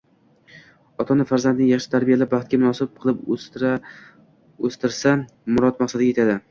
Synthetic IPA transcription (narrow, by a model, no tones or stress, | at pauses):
ɒt̪ʰɒnɪfaɾzand̪nɪŋjɑχʃɪt̪ʰaɾbijalabɑχt̪̚kʲamʊnɒsɪb̚qʰɨlˠɪp | ost̪ɪɾsa | mʊɾɒt̪maχsad̪ɪɡʲjet̪ʰad̪ɪ